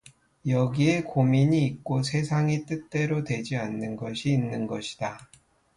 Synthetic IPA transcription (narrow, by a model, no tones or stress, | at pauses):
jʌɡie̞komiɲiːk̚k͈osʰe̞sʰaŋit͈ɯt͈e̞ɾotwe̞d͡ʑianːɯnɡʌɕʰiːnːɯnɡʌɕʰi̥d̥a